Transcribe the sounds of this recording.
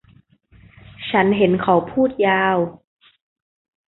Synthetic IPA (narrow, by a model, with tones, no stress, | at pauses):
t͡ɕʰa˦˥nɦe˨˦nkʰa˨˩˦wpʰuː˥˩t̪̚jaː˧w